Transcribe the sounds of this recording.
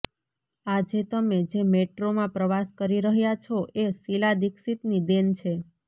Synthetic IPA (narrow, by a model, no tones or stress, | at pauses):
ad͡ʒet̪əmed͡ʒemeʈɾomãpɾəʋaskəɾiɾəɦjat͡ʃʰoʔesilad̪iksit̪nid̪ent͡ʃʰe